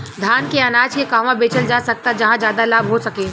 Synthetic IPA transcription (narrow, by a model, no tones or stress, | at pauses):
d̪ʱaːnkeɐnaːd͡ʒkekaːʋãbeːt͡ʃəld͡ʒaːsɐk̚t̪ad͡ʒɐɦãd͡ʒjaːd̪alaːbɦosɐkeː